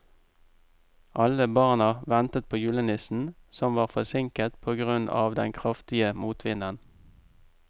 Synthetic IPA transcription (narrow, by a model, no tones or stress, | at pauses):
ʔɑləbɑʁnɑʋɛnt̪ət̪̚pʰoːjʉːlənɪsn̩sɔmʋɑːʁfɔsɪŋkət̪pʰoːɡʁʉnɑ̰ːʋd̪ɛŋkʰʁɑft̪ɪəmuːt̪ʰʋɪnən